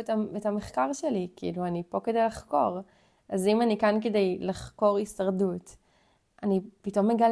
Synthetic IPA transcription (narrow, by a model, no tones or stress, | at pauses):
taetameχkaʁʃelikiluanipo̞ke̞dejlaχko̞ʁ | ʔazimanikanke̞dejlaχko̞ʁisaʁdut | ʔanipito̞mːeɡal